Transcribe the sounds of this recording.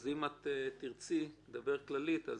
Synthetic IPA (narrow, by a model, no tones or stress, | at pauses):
zimatːtiʁt͡sid̪abɛʁklalita̰